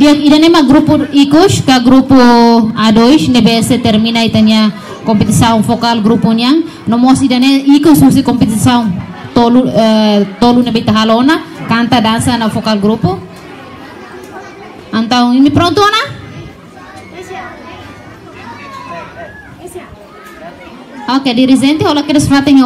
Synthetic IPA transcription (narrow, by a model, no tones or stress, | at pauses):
diaŋidanemaɡɾupuikuskaɡɾupuadɔisnɛbɛsɛt̪ɛrminait̪ania | kɔmpɛt̪isauŋfɔkalɡɾupuniaŋ | nɔmɔsidaneikususikɔmpɛt̪isauŋt̪ɔlut̪ɔlunebait̪aɦalɔnakant̪adansanafɔkalɡɾupu | ant̪auŋinipɾɔnt̪uana | ɔkediɾizɛnt̪iɦɔlakedasifat̪ɛni